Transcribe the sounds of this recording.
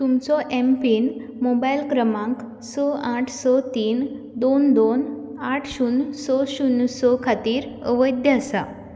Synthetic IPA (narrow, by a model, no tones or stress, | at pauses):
t̪umt͡sɔʔempiːn | mobajlkɾəmãŋk | sɔaʈʰsɔt̪iːn | d̪ond̪on | aʈʰɕunsɔɕunːsɔkʰat̪iːɾə̰ʋəjd̪jəasa̰